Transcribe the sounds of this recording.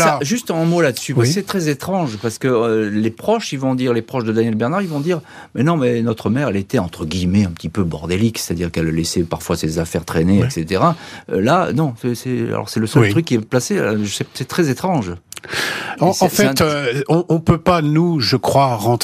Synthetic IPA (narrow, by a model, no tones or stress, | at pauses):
laʒyst̪ɛ̃molad̪əsypaskəsɛt̪χɛzet̪χɑ̃ʒpaʁsə̥kəølepχɔʃivɔ̃d̪iʁlepχɔʃd̪əd̪anjɛlbɛʁnaʁivɔ̃d̪iːʁ | mɛnɔ̃mɛnɔt̪χəmɛʁɛlet̪ɛɑ̃t̪χəɡʲimɛɛ̃pə̥t̪ipøbɔ̰ʁd̪elikse̥t̪ad̪iʁkɛllesɛpaʁfwasezafɛʁt̪χeneɛkset̪eʁaø̰lanɔ̃sɛsɛa̰lɔ̰ʁsɛləsœltt̪χykʲːiɛplasesɛsɛt̪χɛzet̪χɑ̃ʒ | ɑ̃sɑ̃fɛ̃t̪ɔ̃ʔɔ̃pøpanuʒəkχwaʁɑ̃t̪